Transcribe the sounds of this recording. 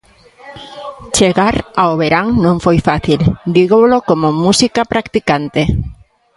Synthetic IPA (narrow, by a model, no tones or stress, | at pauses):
t͡ʃeɣaɾaoβeɾaŋnõŋfojfaθild̪iɣolokomomusikapɾakt̪ikant̪e